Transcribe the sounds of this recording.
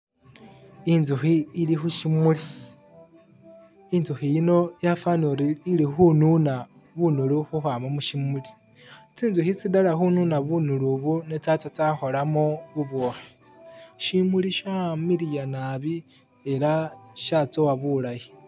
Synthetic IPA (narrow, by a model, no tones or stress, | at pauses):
inzuxiːlixuʃimuli | inzuxijino̞jafanuɾiilixununa | βunuluxuxwaːmamuʃimuli̥ | t͡siːnzuxit͡sidalaxununaβunuluβunet͡sat͡sat͡saxo̞lamoβuβoːxe | ʃimuliʃamiɾijanaβi | e̞laʃat͡sowaβulaji